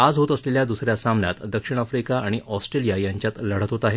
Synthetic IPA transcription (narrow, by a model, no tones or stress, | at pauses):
ad͡zɦot̪əsleljad̪usɾjasamnja̰t̪d̪əkʂiɽ̃afɾikaaɽ̃iʔɔsʈɾelijajaɲt͡ɕjat̪ləɽ̤ət̪ɦot̪aɦe